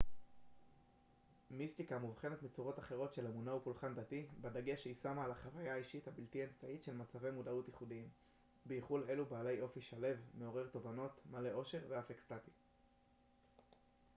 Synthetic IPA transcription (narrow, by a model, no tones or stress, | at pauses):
mist̪ikamuvχe̞netmit͡suʁo̞taχe̞ʁo̞tʃe̞lemunaupulχand̪atibad̪aɡeʃeisamaːlaχavajaːiʃithabiltiaemt͡saitʃe̞lmat͡save̞jmudautiχudiim | beiχule̞lubaːle̞jʔo̞fiʃale̞vme̞o̞ʁe̞ʁt̪o̞vano̞tmale̞ʔo̞ʃe̞ʁveafekstati